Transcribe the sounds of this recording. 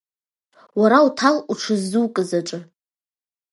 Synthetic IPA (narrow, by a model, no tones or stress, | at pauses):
waɾautʰaluʈ͡ʂʰɨzːuwkʼɨzaʈ͡ʂʼɨ